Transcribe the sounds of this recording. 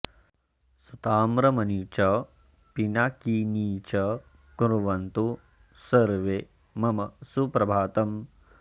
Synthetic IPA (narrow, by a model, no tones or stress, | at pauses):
sut̪aːmɾɐmɐnit͡ʃɐ | pinakiːniːt͡ʃɐ | kuɾuʋɐnt̪u | sɐɾʋe | mɐmɐsupɾɐbʱaːt̪ɐm